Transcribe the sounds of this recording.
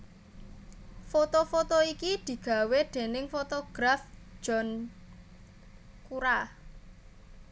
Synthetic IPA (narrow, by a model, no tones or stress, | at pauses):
fot̪ofot̪oikid̪̥i̤ɡ̥ä̤wed̪̥e̤nɪŋfot̪oɡ̥ɾafd͡ʒ̥ɔ̤n | kuɾa